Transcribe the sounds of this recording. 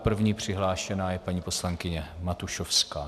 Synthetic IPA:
pr̩vɲiːpr̝̥ɪɦlaːʃɛnaːjɛpaɲiːpo̞slaŋkɪɲɛmat̪uʃofskaː

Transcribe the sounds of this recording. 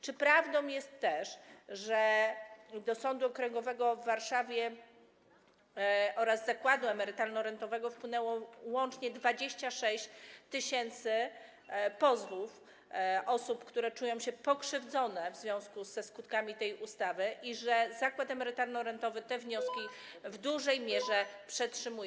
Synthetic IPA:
t͡ʂɘpɾavd̪ɔ̃w̃jɛst̪ːɛʂʐɛ | d̪ɔsɔnd̪uɔkɾɛŋɡɔvɛɡɔvːaɾʂavʲjɛ | ʔɔɾazːakwad̪uɛmɛɾɘt̪alnɔɾɛnt̪ɔvɛɡɔfpwɘnɛwɔwɔnt͡ʂɲɛd̪vad͡ʑeɕt͡ɕaʂɛɕt͡ɕt̪ɘɕɛnt̪sɘ | pɔzvuf | ʔɔsupkt̪uɾɛt͡ʂujɔ̃w̃ɕɛpɔkʂɘvd̪zɔnɛvzvʲjɔ̃w̃skuzːɛskut̪kamʲit̪ɛjust̪avɘʔiʐɛzakwat̪ɛmɛɾɘt̪alnɔɾɛnt̪ɔvɘt̪ɛvɲɔskʲi | vd̪uʐɛjmʲjɛʐɛpʂɛtʂɘmuj

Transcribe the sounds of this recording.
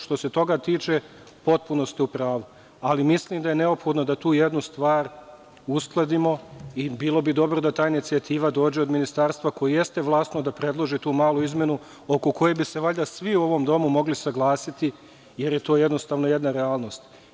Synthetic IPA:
ʃt̪o̞se̞t̪o̞ɡat̪iːt͡ʃe | po̞t̪̚puno̞st̪iupɾaːʋu | alimisliːmd̪aje̞ne̞opxo̞d̪no̞d̪at̪uːje̞d̪nust̪ʋaːɾ | usklˠed̪imo̞ibiːlˠo̞bid̪o̞bɾod̪at̪aːinit̪siat̪iːʋad̪o̞ːd͡ʑe̞o̞d̪minist̪aːɾst̪ʋako̞jijest̪e̞ʋlˠaːst̪nod̪apɾe̞d̪lˠo̞ʒit̪uːmaːlˠuizmje̞nu | o̞ko̞ko̞jebise̞ʋaʎʲd̪asʋiuo̞ʋo̞md̪o̞mumo̞ɡlisaɡlˠaːsit̪i | je̞ɾje̞t̪o̞ːje̞d̪nost̪aːʋno̞je̞d̪naɾeaːlˠno̞ːst̪

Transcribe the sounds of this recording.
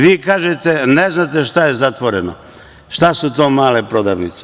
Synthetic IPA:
ʋiːkaːʒet̪eneznat̪eʃt̪aje̞zat̪ʋoɾeno | ʃt̪asut̪o̞ːmaːlepɾo̞d̪aʋnit̪se

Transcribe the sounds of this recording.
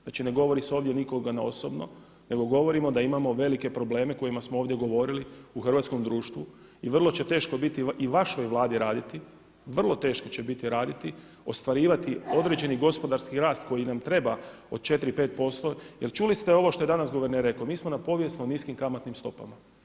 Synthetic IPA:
nat͡ʃine̞ɡo̞ʋo̞ɾiseo̞ːʋd̪ʲje̞niko̞ɡanao̞̰sobno̰ | ne̞ɡo̞ɡo̞ʋo̞ɾimo̞d̪aimamo̞ʋe̞like̞pɾo̞ble̞ːme̞ko̞jimasmooːʋd̪jeɡo̞ʋo̞ɾiliuxr̩ʋaːt̪sko̞md̪ɾuːʃt̪ʋu | iʋrlˠo̞t͡ɕe̞t̪e̞ːʃko̞bit̪iiʋaʃo̞jʋlˠaːd̪iɾaːd̪it̪i | ʋr̩lˠo̞t̪e̞ːʃko̞t͡ɕe̞bit̪iɾaːd̪it̪i | o̞st̪ʋaɾiːʋat̪io̞d̪ɾe̞d͡ʑe̞niɡo̞spo̞d̪aɾskiɾaːst̪̚ko̞jinamt̪ɾe̞ba | o̞d̪̥̚t͡ʃe̞t̪ɾipe̞ːt̪̚po̞st̪o̞je̞lt͡ʃulist̪eo̞ʋo̞ʃt̪o̞je̞d̪anasɡo̞ʋeɾneɾːekomiːsmonapo̞ʋje̞snuniskimkamat̪nimst̪o̞pa̰ma

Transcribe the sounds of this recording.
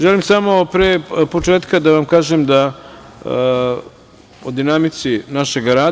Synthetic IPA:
ʒelimsamo̞pɾeːpo̞t͡ʃeːt̪kad̪aʋamkaːʒemd̪a | od̪inamit̪sinaʃe̞ɡaɾaː

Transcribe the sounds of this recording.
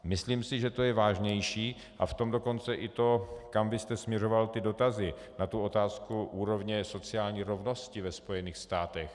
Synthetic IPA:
mɪsliːmsɪʒɛt̪o̞jɛvaːʒɲɛjʃiː | ʔaft̪o̞mdo̞ko̞nt͡sɛʔɪt̪o̞kamvɪst̪ɛsmɲɛro̞valt̪ɪdo̞t̪azɪ | nat̪uo̞t̪aːskuʔuːɾo̞vɲɛso̞t͡sɪaːlɲiːɾo̞vno̞scɪvɛspo̞jɛniːxst̪aːt̪ɛx

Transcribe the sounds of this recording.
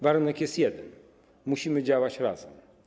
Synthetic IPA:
vaɾunɛkjɛst̪jɛd̪ɛn | muɕimɘd͡ʑawat͡ɕɾa̰zɛm

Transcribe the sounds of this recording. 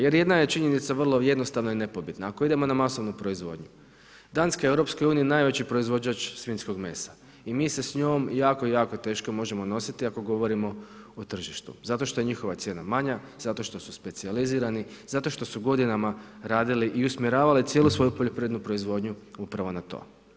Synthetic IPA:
je̞ɾje̞d̪naje̞t͡ʃiɲe̞nit̪saʋrlˠo̞jed̪nost̪aʋnoine̞po̞bid̪naːko̞id̪e̞mo̞namaso̞ʋnupɾo̞izʋo̞ːd̪ɲu | d̪anskaewɾo̞psko̞juːniinaːjʋe̞t͡ɕipɾo̞izʋo̞d͡ʒat͡ʃsʋinsko̞ɡme̞̰sḁ | imiːse̞sɲo̞ːmjaːkoijaːkot̪e̞ːʃko̞mo̞ʒe̞mo̞no̞sit̪iako̞ɡo̞ʋo̞ɾimo̞ot̪r̩ʒiʃt̪ṵzat̪o̞ʃt̪o̞jeɲixo̞ʋat̪sje̞ːnamaɲa | z̥at̪o̞ʃt̪o̞suspe̞t̪sializiːɾanizat̪o̞ʃt̪o̞suɡo̞d̪inamaɾaːd̪iliʔiusmʲjeɾaːʋalit̪jelusʋo̞jupoʎepɾied̪nupɾo̞izʋo̞ːd̪ɲuupɾaʋo̞nat̪o̞̰ː

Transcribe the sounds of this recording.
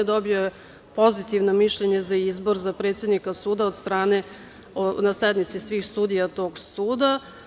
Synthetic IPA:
ed̪obioe | po̞zit̪iʋnomiʃʎeɲezaizbo̞ɾzapɾet̪sjed̪nikasuːd̪aod̪st̪ɾaːne | onaseed̪nit̪sisʋiːxst̪ud̪ijat̪o̞ːɡsuːd̪a

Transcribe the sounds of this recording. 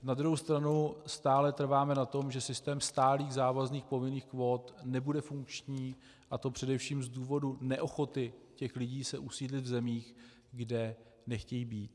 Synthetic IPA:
nad̪ɾuɦowst̪ɾanust̪aːlɛt̪r̩vaːmɛnat̪o̞mʒɛsɪst̪ɛːmst̪aːliːɣzaːvazniːxpo̞vɪniːxkvo̞ːt̪nɛbudɛfuŋkt͡ʃɲiː | ʔat̪o̞pr̥ɛdɛfʃiːmzduːvo̞dunɛʔo̞xo̞t̪ɪcɛxlɪɟiːsɛʔusiːdlɪt̪vzɛmiːx | ɡdɛ | nɛxcɛjiːbiːt̪̚

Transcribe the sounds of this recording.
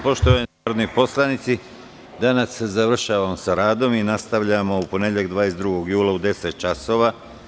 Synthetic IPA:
po̞ʃt̪oʋaaɾod̪nojpo̞slˠanit̪si | d̪anasːezaʋr̩ʃaːʋamsaɾaːd̪o̞minast̪aʋʎamo̞upo̞neʎeɡd̪ʋaːjesd̪ɾuɡo̞ɡjuːlˠaud̪e̞set̪̚t͡ʃaso̞ːʋa

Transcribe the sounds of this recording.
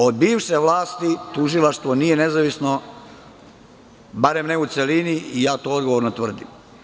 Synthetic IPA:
o̞d̪biːʋʃeʋlˠaːst̪it̪uʒilˠaʃt̪ʋo̞nije̞nezaʋisno | baɾemneut̪se̞liniijaːt̪oːod̪ɡo̞ʋoɾnot̪ʋr̩d̪im

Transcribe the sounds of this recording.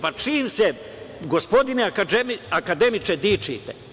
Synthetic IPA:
pat͡ʃiːmse | ɡospo̞d̪iniaaakad̪e̞mit͡ʃed̪iːt͡ʃḭːt̪e

